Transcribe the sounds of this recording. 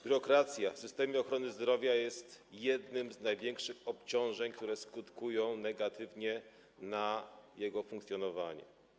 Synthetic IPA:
bʲjuɾɔkɾat̪sʲjafsɘst̪ɛmʲjɛɔxɾɔnɘzd̪ɾɔvʲjajɛst̪jɛd̪nɘmznajvʲjɛŋkʂɘxɔpt͡ɕɔ̃w̃ʐɛɲkt̪uɾɛskut̪kujɔ̃w̃nɛɡat̪ɘvɲɛ | najɛɡɔfũŋkt̪sʲjɔnɔvaɲɛ̰

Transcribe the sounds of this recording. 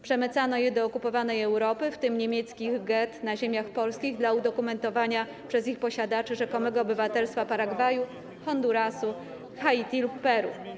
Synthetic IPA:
pʂɛmɘt̪sanɔjɛd̪ɔːkupɔvanɛjɛwɾɔpɘft̪ɘmɲemʲjɛt̪skʲiɣɡɛt̪naʑemʲjaxpɔlskʲiɣd̪laud̪ɔkumɛnt̪ɔvaɲa | pʂɛzixpɔɕad̪at͡ʂɘʐɛkɔmɛɡɔːbɘvat̪ɛlst̪fapaɾaɡvaju | xɔnd̪uɾasu | xajit̪ʲiluppːɛɾṵ

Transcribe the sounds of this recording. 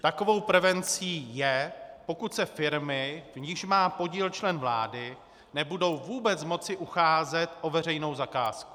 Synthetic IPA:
t̪ako̞vo̞wpɾɛvɛnt͡siːjɛpo̞kut̪sɛfɪɾmɪvɲɪʃmaːpo̞ɟiːlt͡ʃlɛnvlaːdɪ | nɛbudo̞wvuːbɛt͡smo̞t͡sɪʔuxaːzɛt̪ʔo̞vɛr̝ɛjno̞wzakaːsku̥

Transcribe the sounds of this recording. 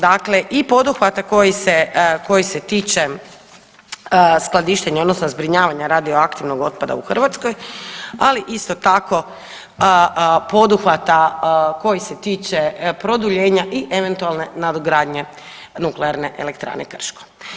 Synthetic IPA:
d̪akleʔipo̞d̪uxʋat̪ako̞jiseko̞jiset̪iːt͡ʃe̞ | sklad̪iʃt̪eɲao̞d̪nosnozbɾiɲaːʋaɲaɾaːd̪ioakt̪iʋnoɡo̞t̪̚pad̪a̰ṵxr̩ʋat̪sko̞jaliʔist̪ot̪ako̞ | po̞d̪uxʋat̪ako̞jiset̪iːt͡ʃepɾo̞d̪uʎe̞ːɲaʔiʔe̞ʋe̞nt̪ualˠnenad̪oɡɾaːd̪ɲe | nukleaɾne̞ʔele̞kt̪ɾa̰ːnekr̩ʃko̥

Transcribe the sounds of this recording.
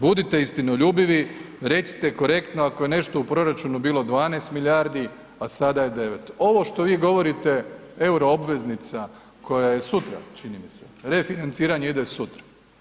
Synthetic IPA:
bud̪it̪eist̪ino̞ʎuːbiʋi | ɾe̞t͡si̥t̪eko̞ɾe̞kt̪noakoje̞ne̞ʃt̪o̞upɾo̞ɾat͡ʃunubiːlo̞d̪ʋaːneːst̪miʎʲaːɾd̪i | asad̪aje̞d̪e̞ʋe̞t̪o̞ʋo̞ʃt̪o̞ʋiːɡo̞ʋo̞ɾit̪e̞e̞uɾo̞obʋe̞znit̪sa | kʰo̞jaje̞sut̪ɾa̰t͡ʃinimise̥ɾe̞finant̪siːɾaɲe̞id̪esut̪ɾḁ

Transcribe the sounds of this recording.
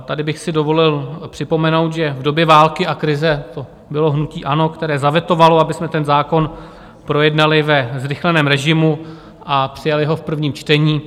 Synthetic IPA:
t̪adɪbɪxsɪdovo̞lɪlpr̥ɪpo̞mɛno̞wt̪ʒɛvdo̞bjɛvaːlkɪʔakɾɪzɛt̪o̞ | bɪlo̞ɦnuciːʔano̞kt̪ɛɾɛːzavɛt̪o̞valoabɪsmɛt̪ɛnzaːko̞n | pɾo̞jɛdnalɪvɛzɾɪxlɛnɛːmɾɛʒɪmu | ʔapr̝̥ɪjalɪɦo̞fpr̩vɲiːmt͡ʃt̪ɛɲiː

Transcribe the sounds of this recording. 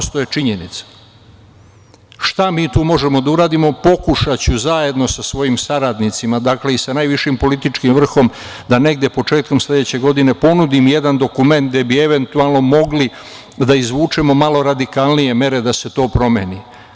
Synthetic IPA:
st̪ojet͡ʃiɲe̞nit̪sḁ | ʃt̪amiːt̪uːmo̞ʒe̞mo̞d̪auɾaːd̪imo̞po̞kuʃat͡ɕuzaje̞d̪no̞sasʋo̞jimsaɾad̪nit̪simad̪akle̞isanajʋiʃimpo̞lit̪it͡ʃkimʋr̩xo̞m | d̪ane̞ɡ̚d̪je̞po̞t͡ʂe̞ːt̪̚ko̞msle̞d̪et͡ɕe̞ɡo̞d̪ine̞po̞nud̪imje̞d̪and̪o̞kume̞nt̪̚d̪e̞bie̞ʋe̞nt̪ualˠno̞mo̞ɡli | d̪aizʋuːt͡ʂe̞mo̞malo̞ɾad̪ikalˠnije̞me̞ɾe̞d̪ase̞t̪o̞ːpɾo̞me̞̰ni

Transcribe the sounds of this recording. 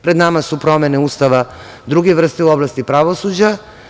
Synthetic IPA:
pɾed̪namasupɾo̞me̞neuːst̪aʋa | d̪ɾuɡeʋr̩st̪euo̞blˠast̪ipɾaʋo̞sud͡ʑa

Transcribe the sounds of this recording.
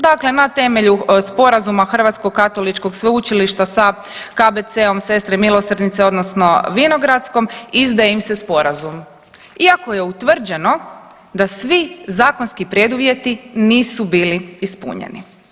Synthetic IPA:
d̪akle̞nat̪e̞meʎuspo̞ɾazumaxr̩ʋat̪skokat̪o̞lit͡ʃko̞ɡsʋeut͡ʃiliʃt̪asa | kabet̪seo̞mse̞st̪ɾemilo̞sɾd̪nit̪seo̞d̪nosno̞ʋino̞ɡɾat̪sko̞mizd̪ajeimse̞spo̞ɾazum | iako̞je̞ut̪ʋr̩d͡ʒe̞no̞ | d̪asʋizaːko̞nskipɾje̞d̪uʋje̞t̪iniːsubiːliispṵɲḛnḭ

